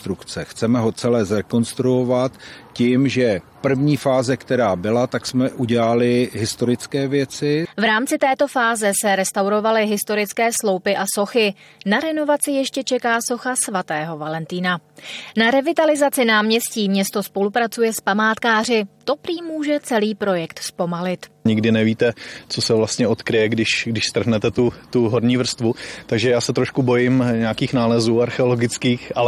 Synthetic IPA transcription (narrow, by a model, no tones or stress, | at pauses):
t̪ɾukt͡sɛxt͡sɛmɛɦo̞t͡sɛlɛːzɾɛko̞nst̪ɾuovat̪cimʒɛpr̩vɲiːfaːzɛkt̪ɛɾaːbɪlat̪aksmɛʔuɟɛlalɪɦɪst̪o̞ɾɪt͡skɛːvjɛt͡sɪvɾaːmt͡sɪt̪ɛːt̪o̞faːzɛsɛɾɛst̪awɾo̞valɪɦɪst̪o̞ɾɪt͡skɛːslo̞wpɪʔaso̞xɪ | naɾɛno̞vat͡sɪjɛʃcɛt͡ʃɛkaːso̞xasvat̪ɛːɦo̞valɛnt̪iːnanaɾɛvɪt̪alɪzat͡sɪnaːmɲɛsciːmɲɛst̪o̞spo̞lupɾat͡sujɛspamaːt̪kaːrɪt̪o̞pɾiːmːuːʒɛt͡sɛliːpɾo̞jɛkt̪spo̞malɪt̪ɲɪɡdɪnɛviːt̪ɛt͡so̞sɛvlast̪ɲɛo̞t̪kɾɪjɛɡdɪʃɡdɪʃst̪r̩ɦnɛt̪ɛt̪ut̪uɦoɾɲiːvr̩st̪vut̪aɡʒɛjaːsɛt̪ɾoʃkubo̞jɪmɲɛakiːxnaːlɛzuːaɾxɛolo̞ɡɪt͡skiːxʔa